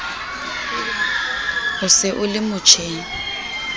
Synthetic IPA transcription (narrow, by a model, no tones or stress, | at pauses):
hʊsɪʔʊlɪmʊt͡ʃʰeːŋ̩